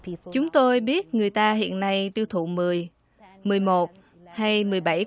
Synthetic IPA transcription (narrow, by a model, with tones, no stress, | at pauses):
t͡ɕʊ˨˦ŋ͡mt̪o˧jɓi˦˥ət̚ŋɨ˨˩əjt̪aː˧ɦḭ˧˨ənːa˧jt̪i˧wt̪ʰṵ˧˨mɨ˨˩əj | mɨ˨˩əjmo˨˩t̚ | ha˧jmɨ˨˩əjɓa˧˩j